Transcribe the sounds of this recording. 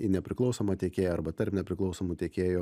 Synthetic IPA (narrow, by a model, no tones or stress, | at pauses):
ɪnʲɛpʲɾʲɪklˠɒʊsoːmɐt̪ʲeːkʲeːjoːɐɾbɐt̪ɐɾpnʲɛpʲɾʲɪklˠɒʊsoːmuːt̪ʲeːkʲeːjoː